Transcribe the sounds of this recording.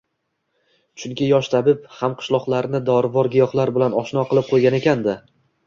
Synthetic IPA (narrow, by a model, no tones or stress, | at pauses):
t͡ʃʰʊŋkʲɪjɒʃt̪ʰabɪphamqʰɨ̥ʃlˠɒqlˠaɾnɪd̪ɒɾvɒɾɡʲɪjɒχlˠaɾbɪlanɒʃnɒqʰɨlˠɪp̚qʰojɡʲane̞kʲand̪ɪ